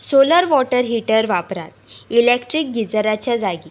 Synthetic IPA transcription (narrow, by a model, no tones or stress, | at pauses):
soləɾʋɔʈəɾɦiʈəɾʋapɾa̰t̪ilekʈɾik̚ɡid͡zəɾat͡ɕjad͡zaɡi